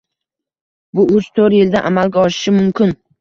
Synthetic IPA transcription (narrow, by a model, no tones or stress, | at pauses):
bʊʊzt̪ʰoɾjɪld̪aʔamalɡʲaɒʃɪ̥ʃɪmʊmkʲʰɪn